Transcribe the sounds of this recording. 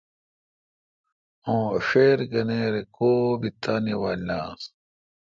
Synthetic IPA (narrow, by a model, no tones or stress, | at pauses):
õːfeːɾɡɐneːɾekoːbit̪ʰːaːniwaːlːaːs